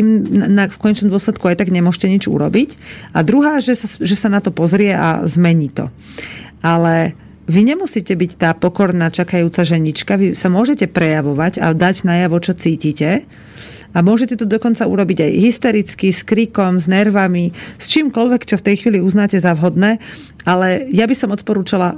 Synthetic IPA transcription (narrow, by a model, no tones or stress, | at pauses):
t̪imnakfkɔɲɛt͡ʃnɔmd̪ʊɔslɛt̪̚kuajt̪aɡɲɛmʊɔʃcɛɲid͡ʒṵɾɔ̰bica̰d̪ɾuɦaːʒɛsaʒɛsanat̪ɔpɔzɾɪɛʔa̰zmɛɲiːt̪ɔ̰ | alɛ | ʋiɲɛmusiːcɛbict̪aːpɔkɔɾnaːt͡ʃakajuːt͡saʒɛɲit͡ʃkaʋisamʊɔʒɛcɛpɾɛjaʋɔʋaɟa̰d̪aɟnajaʋɔt͡ʃɔt͡siːciːcɛ | amʊɔʒɛcɛt̪ɔd̪ɔkɔnt͡sauɾɔbiɟajɦist̪ɛɾit͡skiskɾikɔmznɛɾʋamist͡ʃiːmkɔlʋɛkt͡ʃɔft̪ɛjxʋiːliuznaːcɛzaʋɦɔd̪nɛː | alɛjabisɔmɔt̪̚pɔɾuːt͡ʃala